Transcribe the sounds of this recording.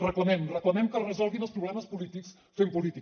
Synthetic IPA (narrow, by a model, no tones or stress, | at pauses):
rəkunɛmrəkunɛmkərəzɔlˠɣinəlˠspɾuβlɛməspulit̪iks | fempulit̪i